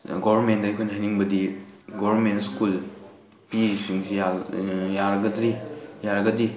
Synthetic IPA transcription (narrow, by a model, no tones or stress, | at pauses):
ɡobɐɾmentdaajkʰojnɐɦajniŋbɐdiɡɔβɐnmentskul | piɾisiŋsijajaɾɐɡɐdɾijaɾɐɡɐdi